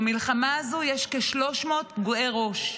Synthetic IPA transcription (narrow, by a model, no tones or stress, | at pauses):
milχamaːzujɛʃke̞ʃlo̞ʃmo̞ːt̪ɡoʔeʁo̞ʃ